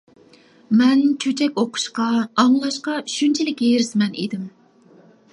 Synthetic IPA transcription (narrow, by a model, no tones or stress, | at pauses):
mɛnt͡ʃʰøt͡ʃʰɛkʲoqʰʊ̥ʃqɑɑŋlˠɑʃqɑyʃynt͡ʃʰilɪkʲeɾɪsmɛnḛd̪ɪm